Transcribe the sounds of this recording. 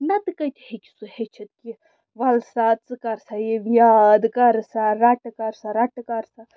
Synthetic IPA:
nɐt̪ɨkɐjt̪ʰihekʲi̥suhet͡ʃʰɐt̪̚ki | ʋɐlsat͡sɨkɐɾsajeʋjad̪kɐɾsaɾaʈkɐɾsaɾaʈɨkɐɾsa

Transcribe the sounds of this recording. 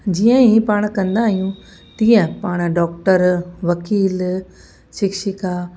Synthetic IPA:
d͡ʑiːə̃ĩpaːɽ̃kɐ̃nd̪aːɦijũ | t̪ĩːə̃paːɽ̃ɖɔːk̚ʈəɾʋɐkiːl | ʃɪkʃɪka

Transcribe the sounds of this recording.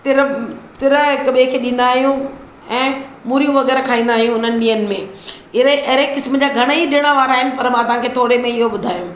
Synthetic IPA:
t̪ɪɾt̪ɪɾəɪkɐɓʱekʰeːɗĩːnd̪aːɦijũ | ɛ̃ːmuːɾijũʋɐɣɛːɾkʰaːĩːnd̪aːɦijũʊn̤ənɪ̆ɗiːənɪ̆mẽ | ɪeʔɦɾekɪsməd͡ʑaːɡʱɐɽ̃ɦiɗiəɽ̃aʋaːɾaːɦɪnɪ̆pɐɾmãːt̪ɐʋ̤ãkʰeːt̪ʰoːɾemẽɪɦoɓʊd̪ʱaːjũː

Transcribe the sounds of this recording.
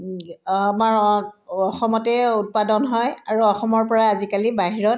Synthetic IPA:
maɹɔxɔmɔtɛut̚padɔnɦɔjaɹuɔxɔmɔɹpɔɹaːzikalibaɦiɹɔt

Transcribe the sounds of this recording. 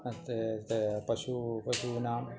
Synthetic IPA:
t̪et̪epɐʃupɐʃunaːm

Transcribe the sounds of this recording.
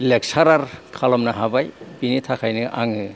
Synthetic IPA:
lek̚saɾaɾkʰalɔmnaɦabajbinitʰakʰajnɯʔa̰ŋɯ

